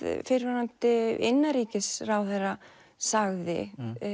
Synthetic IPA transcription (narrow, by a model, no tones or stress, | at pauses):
fɪɾvaɾant̪ɪɪ̰nːaɾiːcɪsrawθɛjra | saɣðɪ̰